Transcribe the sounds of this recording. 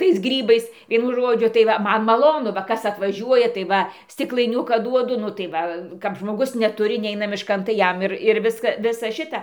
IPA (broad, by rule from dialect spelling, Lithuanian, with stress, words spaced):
tɐɪs ˈɡrʲiːbɐɪs ˈʋʲiɛnʊ ˈʒoːd͡ʒʲʊ tɐɪ ˈʋɐ ˈmɐn mɐˈlˠoːnʊ ʋɐ ˈkɐs ɐtʋɐˈʒʲuɔjɛ tɐɪ ˈʋɐ sʲtʲɪklˠɐɪˈnʲʊkɑː ˈduɔdʊ ˈnʊ tɐɪ ˈʋɐ kɐp ʒmoːˈɡʊs nʲɛˈtʊrʲɪ ˈnʲɛɪnɐ mʲɪʃˈkɐn tɐɪ ˈjɛm ˈɪr ɪr ˈʋʲɪskɐ ˈʋʲɪsɐ ˈʃʲɪtɐ